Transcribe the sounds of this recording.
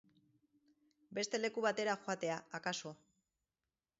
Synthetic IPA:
be̞st̪e̞le̞kuβat̪e̞ɾaxoat̪e̞aːkaso̞

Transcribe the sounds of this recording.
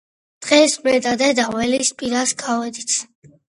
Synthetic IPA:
d̪̥ʁɛsmɛd̪ʼad̪ɛd̪awɛlispʼiɾaskʼavɛd̪it̪sʰ

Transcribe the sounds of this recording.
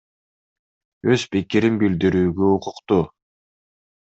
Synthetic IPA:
øz̥pikiɾinbild̪iɾyːɡøuqʊqt̪u

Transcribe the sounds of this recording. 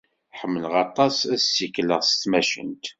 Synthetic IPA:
ħəmːələʁɑt̪ˤɑsæssikːləʁsət̪ːmæʃə̰nt̪

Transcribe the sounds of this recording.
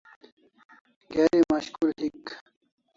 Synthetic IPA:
ɡeːɾimaɕkulɦik

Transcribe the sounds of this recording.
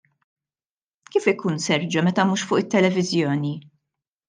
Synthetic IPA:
kiːfɪkuːnsɛɾd͡ʒɐmɛt̪ɐmuːʃfʊːʔɪt̪ːɛlɛvɪzjɔːni

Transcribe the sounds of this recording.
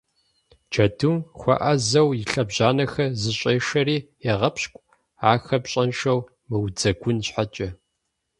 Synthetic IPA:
d͡ʒʰɐdʰumxʷɐ̰ʔɐzɐwjɪɬɐbʑaːnɐxɐzɨɕʼeːʂɐriːjɛʁɐpʰɕkʷʼ | aːxɐbɕʼɐnʃɐw | mɨwd͡zɐɡʷʊnɕħat͡ʃʼɐ

